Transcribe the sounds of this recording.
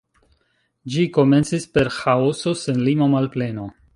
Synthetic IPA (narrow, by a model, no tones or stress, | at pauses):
d͡ʒiko̞me̞nt͡sispe̞ɾxaoso̞se̞nlimomalple̞no̞